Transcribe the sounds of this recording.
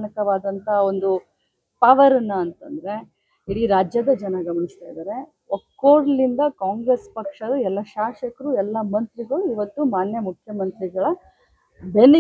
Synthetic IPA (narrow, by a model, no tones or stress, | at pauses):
nɐkɐʋaːd̪ɐnt̪ʰɐo̞nd̪u | pɐʋɐɾɐnːɐːnt̪ɐnd̪ɐɾe̞ | iɽiɾaːd͡ʒjɐd̪ɐd͡ʒɐnɐɡɐmɐnist̪aːjd̪aːɾe̞ | okːoːɾlind̪ɐkaːŋɡɾespɐkʂɐd̪ɐɛlːɐʃaːʂɐkɐɾuɛlːɐmɐnt̪ɾiɡɐɭuiʋɐt̪ːumaːnjɐmukʰjɐmɐnt̪ɾiɡɐɭɐ | beni